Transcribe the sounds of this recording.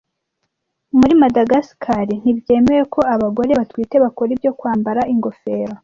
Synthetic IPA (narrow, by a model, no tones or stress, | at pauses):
muɾimadaɡaskʰaɾin̥ibje̞ːme̞ɾekʰo̞aβaɡo̞ɾe̞βatwiːte̞βakoɾibjo̞kwaːmbaɾaʔiŋɡo̞fe̞ːɾa